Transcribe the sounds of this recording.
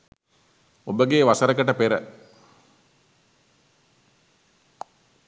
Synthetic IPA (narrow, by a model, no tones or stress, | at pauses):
obəɡeːʋasəɾəkəʈəpeɾə